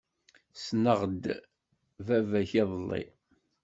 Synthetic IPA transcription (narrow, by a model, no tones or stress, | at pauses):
snəʁd̪ | vævæçiðˤəlːḭ